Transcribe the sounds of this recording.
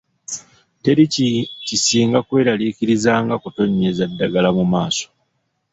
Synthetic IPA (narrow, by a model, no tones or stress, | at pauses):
te̞ɾicisiːŋɡakwe̞ːɾaliːkiɾizaːŋɡakuto̞ɲːezadːaɡalamumaːso̥